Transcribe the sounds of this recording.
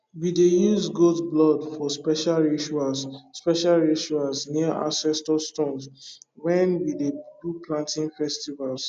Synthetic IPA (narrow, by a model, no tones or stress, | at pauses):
widejuzɡodblɔdfɔspɛʃalɹiʃualsspɛʃalɹiʃualsniaʔa̰sɛstɔstõnsɹɛ̃nwidebluplãntĩnfɛstivals